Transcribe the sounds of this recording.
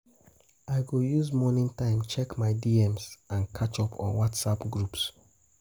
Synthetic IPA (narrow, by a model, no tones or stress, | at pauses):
aɪɡojuzmɔnĩntãɪ̃mt͡ʃɛkmaɪdiɛmsãnkʰat͡ʃɔpʰɔ̰̃nwɔtsapɡɹups